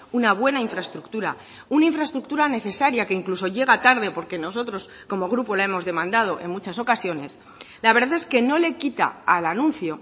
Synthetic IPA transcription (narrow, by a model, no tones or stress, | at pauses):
unaβwe̞naiɱfɾaest̪ɾukt̪uɾa̰ | unaiɱfɾaest̪ɾuk̚t̪uɾane̞θe̞saɾjake̞iŋkluso̞ʎe̞ɣ̞at̪aɾðe̞po̞ɾke̞no̞so̞t̪ɾo̞s | ko̞mo̞ɣɾupo̞lae̞mo̞zðe̞mãnd̪að̞o̞ʔe̞̰ŋmut͡ʃaso̞kasjo̞ne̞s | laβe̞ɾðaθe̞ske̞no̞le̞kit̪a̰ːlanũnθjo̞